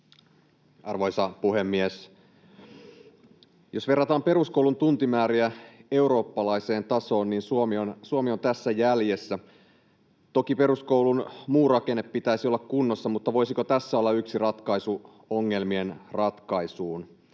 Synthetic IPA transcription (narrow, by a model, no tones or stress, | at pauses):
ɑrʋoisɑpuhe̞mːies | jo̞sʋe̞rːɑt̪ɑːmpe̞ɾuskoulunt̪unt̪imæːɾiæe̞uɾo̞ːpːɑlɑise̞ːnt̪ɑso̞ːnniːnsuomionsuomio̞nt̪æsːæjælje̞sːæ | t̪o̞kipe̞ɾuskowlunmuːrɑke̞nːeppːit̪æisiolːɑkkunːo̞sːɑmut̪ːɑʋo̞isikot̪æsːæo̞lːɑyksirɑt̪kɑisu | oŋːe̞lmie̞nrɑt̪kɑisuːn